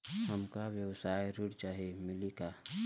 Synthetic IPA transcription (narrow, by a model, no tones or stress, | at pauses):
həmkawjəwsaːjɾʊɽt͡ʃaːɦemɪlika